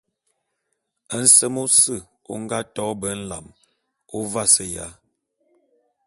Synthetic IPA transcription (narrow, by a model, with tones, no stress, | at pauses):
ə˦n̩˦sə˦mo˦sɨ˦˨ | o̰˦ŋ˦ɡa˦tɔ˦bə˨˦n̩˦la̰˨m | o˦va˦sə˦ja̰˨˦